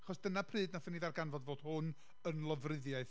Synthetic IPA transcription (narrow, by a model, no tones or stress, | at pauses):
aχɔsd̥ənapʰrɨːdnaθəniðarɡanvɔdvoːd̥hʊn | ənlˠəvrɪðjaɨθ